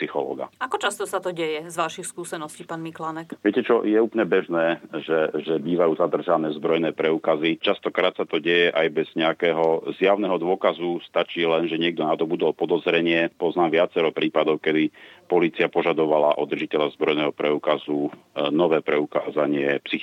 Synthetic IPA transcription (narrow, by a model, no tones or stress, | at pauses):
ppsixɔlɔ̰ːɡa̰akɔt͡ʃast̪ɔsat̪ɔɟɛjɛzʋaʃixskuːsɛnɔsciːpaːnmiklanɛkʋɪɛcɛt͡ʃɔjɛuːplɲɛbɛʒnɛːʒɛʒɛbiːʋajuːzad̪r̩ʒanɛːzbɾɔjnɛːpɾɛuːkazit͡ʃast̪ɔkɾaːt̪sat̪ɔɟɛjɛʔajbɛz̥ɲɛakɛːɦɔzjaʊnɛɦɔd̪ʊɔkazust̪at͡ʃiːlɛnʒɛɲɪɛɡ̚d̪ɔnat̪ɔbud̪ɔlpɔd̪ɔzɾɛɲɪɛpɔznaːmʋɪat͡sɛɾɔpɾiːpad̪ɔʊkɛd̪ipɔliːt͡siapɔʒad̪ɔʋalaʔɔd̪r̩ʒicɛʎazbɾɔjnɛːɦɔpɾɛukazu | nɔʋɛːpɾɛukaːzaɲɪɛpsi